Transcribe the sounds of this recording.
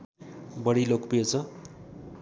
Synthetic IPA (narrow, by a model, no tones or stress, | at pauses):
bʌɽilokpijot͡sʰʌ